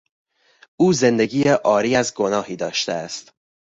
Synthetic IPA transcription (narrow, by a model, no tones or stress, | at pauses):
uːze̞nd̪e̞ɡiːjeʔɒːɾiːæzɡo̞nɒːhiːd̪ɒːʃt̪eæst̪